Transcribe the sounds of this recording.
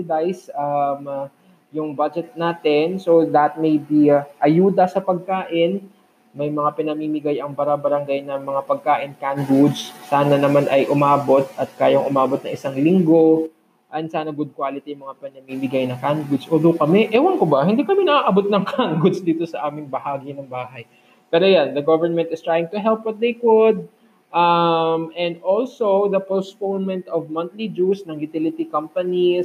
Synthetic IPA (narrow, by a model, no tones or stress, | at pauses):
ɪd̪ajsɐm | jʊŋbad͡ʒɛt̪̚naːt̪ɛnsowlɐht̪̚mejbiʔɐjuːd̪ɐsɐpɐɡ̚kaːʔɪn | mɐjmɐŋapɪnɐmiːmɪɡajɐŋbɐɾabɐɾɐŋɡajnɐmɐŋapɐɡ̚kaːʔɪnkanɡud̪ssaːnɐnɐmanʔɐjʔʊmaːbo̞t̪̚ʔɐt̪̚kaːjɐŋʔʊmaːbot̪nɐŋʔɪsaŋlɪŋɡo̞ | ʔɐnsaːnɐɡʊd̪̚kwaːlɪt̪ijʊŋmɐŋapɐɡnɐmiːmɪɡajnɐŋkanɡʊd̪sʔoːd̪okɐmɛʔɛwɐŋkobɐhɪnd̪ijkɐmɛnɐʔaːʔɐbot̪̚nɐŋkʰaŋɡʊd̪sd̪iːt̪o̞sɐʔaːmɪŋbɐhaːɡinɐŋbaːɦɐj | pɛːɾojand̪ɐɡɐvɛɹnmɛnt̪ɪst̪ɹaːjɪŋt̪ʊɦɛlpwɐt̪̚d̪ejkʊd̪̚ | ʔɐmɛ̃nd̪ʔolsowðɐposponmɛnt̪ɔvmɐ̃nt̪lid͡ʒusnɐŋjʊt̪ɪlɪt̪ikɐmpɐnis